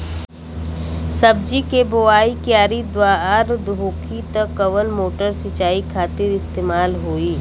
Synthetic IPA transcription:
sɐb̚d͡ʒikeboaːikjaːɾid̪waːɾaɾd̪oːkʰit̪ɐkːɐʋənmoːʈəɾsɪt͡ʃaːikʰaːt̪ɪɾɪst̪eːmaːlɦoːiː

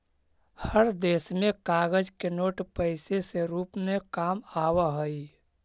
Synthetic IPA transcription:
həɾd̪eːsmẽkaɡəd͡ʒkenoːʈpəɪseseɾuːpmekaːmaːwaɦəj

